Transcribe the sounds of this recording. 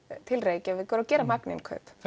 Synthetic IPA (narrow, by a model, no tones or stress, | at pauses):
t̪ʰɪlreːjcɪavɪðkɔːɾawcɛːɾamaknɪ̰nkʰœ̰ːp